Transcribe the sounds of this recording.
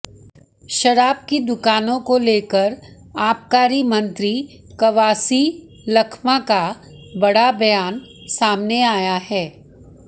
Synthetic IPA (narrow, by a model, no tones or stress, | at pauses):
ʃɐɾaːb̚kid̪ʊkaːnõkoleːkəɾ | aːp̚kaːɾimɐ̃nt̪ɾi | kɐʋaːsi | lɐkʰmãka | bɐɽabɐjaːnsaːmneaːjaɦɛː